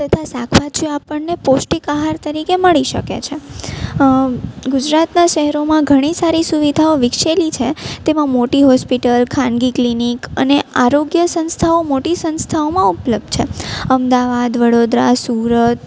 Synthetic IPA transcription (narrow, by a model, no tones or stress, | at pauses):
t̪ət̪ʰasakʰʋat͡ʃʰuapəɳneposʈikaɦaɾt̪əɾikeməɭiʃə̰kḛt͡ʃʰe | ɡʊd͡ʒɾat̪naʃɛɦɾomãɡʱəɽ̃isaɾisuʋid̪ʱaoʋɪkʃelit͡ʃʰet̪emãmoʈiɦɔspiʈəlkʰãnɡiklinikə̰neaɾoɡjəsə̃nst̪ʰaomoʈisə̃nst̪ʰaomãupləb̚d̪̚ʱt͡ʃʰḛəmd̪aʋad̪ʋəɽod̪ɾasuɾət̪